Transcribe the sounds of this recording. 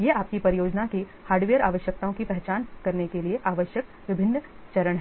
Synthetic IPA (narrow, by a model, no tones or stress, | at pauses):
jeːaːp̚kipɐɾɪjoːd͡ʒnaki | haːɾɖʋejəɾaːʋəʃjək̚t̪aõkipɛɦt͡ʃaːnkɐɾnekelieʔaːʋəʃjək̚ | ʋɪbʱɪnː | t͡ʃɐɾəɽ̃ɦɛ